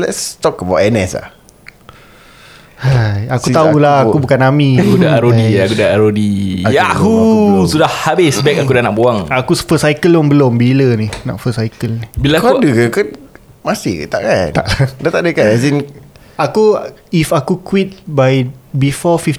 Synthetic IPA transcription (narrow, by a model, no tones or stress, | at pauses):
lɛ̰tst̪ɔkəbawtɛnɛsa̰ | hajakut̪aulahakubukanamiakudaaɾoiakudaaɾodiaakusudahhabɪsbɛk̚akudanaʔbuaŋakusfəsajkəlʊŋbəlombilənina̰ʔfəsajkəlnibilakuadəkakan | masɪ̰t̪a̰ʔkana̰ʔadat̪aʔdəkansin | akuifakukwit̪̚bajbifɔfif